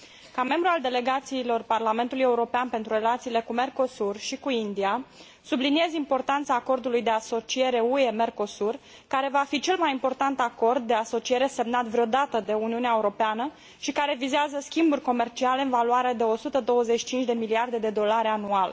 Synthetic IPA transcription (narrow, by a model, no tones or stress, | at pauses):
kame̞mbɾuald̪e̞le̞ɡat̪siːlo̞rparlame̞nt̪uluje̞uɾo̞peanpe̞nt̪ɾure̞lat̪siːle̞kume̞rko̞surʃikuind̪ia | sublinie̞zimpo̞rt̪ant̪saːko̞rd̪ulujd̪e̞aso̞t͡ʃie̞ɾe̞ue̞me̞rko̞sur | kaɾe̞vafit͡ʃe̞lmajimpo̞rt̪ant̪ako̞rd̪̚ːe̞aso̞t͡ʃie̞ɾe̞se̞mnat̪vɾeo̞d̪at̪əd̪e̞uniuneaeuɾo̞peanə | ʃikaɾe̞vizeazəskʲimburʲko̞me̞rt͡ʃiale̞ɨnvaluaɾed̪e̞o̞sut̪əd̪o̞wəzet͡ʃi̥t͡ʃint͡ʃʲd̪e̞miliard̪e̞d̪e̞d̪o̞laɾʲanual